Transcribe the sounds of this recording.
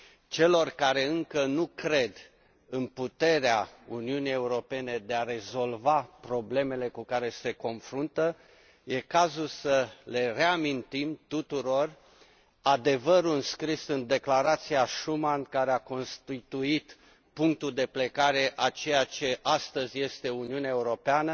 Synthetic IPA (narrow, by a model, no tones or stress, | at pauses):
t͡ʃe̞lo̞rkaɾe̞ɨŋkənukɾe̞d̪ | ɨnput̪e̞ɾeauniunije̞uɾo̞pe̞ne̞d̪e̞aɾe̞zo̞lvapɾo̞ble̞me̞le̞kukaɾe̞se̞ko̞nfɾunt̪ə | je̞kazulsəle̞re̞amint̪imt̪ut̪uɾo̞r | ad̪e̞vəɾuɨnskɾisɨnd̪e̞klaɾat̪siaʃumankaɾeako̞nst̪it̪uit̪ | puŋk̚t̪uld̪e̞ple̞kaɾe̞ʔat͡ʃe̞jat͡ʃe̞ʔast̪əzʲje̞st̪e̞uniuneaeuɾo̞peanə